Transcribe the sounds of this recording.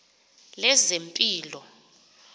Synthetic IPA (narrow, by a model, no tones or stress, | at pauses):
lɛzempʼiːlɔ